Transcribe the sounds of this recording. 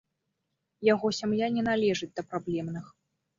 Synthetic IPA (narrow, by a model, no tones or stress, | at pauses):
jaɣɔsʲamjanʲɛnalʲɛʐɨt͡sʲd̪ɐpɾablʲɛmnɨx